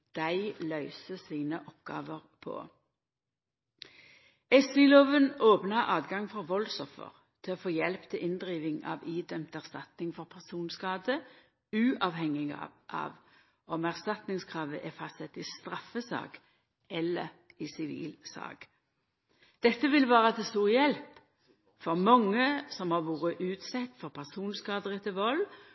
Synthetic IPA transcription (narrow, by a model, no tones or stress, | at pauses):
d̪̥æɪlœʏsəsiːnəʔɔpɡ̥ɑ̰ːʋəʁpʰɔ̰ | ɛsɪloːʋənoːpnɑʔɑːd̪ɡɑŋfɔʁʋɔlsɔfə̰ʁ | t̪ʰɪoːfoːjɛlpt̪ʰɪlʔɪnd̪ʁiːʋɪŋɑ̰ːʋiːd̪œmt̪æʁst̪ɑt̪nɪŋfɔʁpʰæʁsuːnskɑːd̪ə | ʉːʔɑʋhɛŋɪɡɑ̰ʔɑ̰ʋ | ɔmæʁst̪ɑt̪nɪŋskʰɾɑːʋəʔæfɑst̪sɛt̪ːɪst̪ɾɑfəsɑ̰ːk | ʔɛlːəɾ | ɪsɪʋḭːlsɑ̰ːɡ | d̪̥ɛt̪ːəʋɪlʋɑːʁət̪ʰɛst̪uːʁjɛlp | fɔʁmɑŋːəsɔmhɑʁʋuːʁɾəʔʉːt̪sɛt̪ːfɔɾpʰæʁsuːnskɑːd̪əʁət̪ʰɪlʋɔl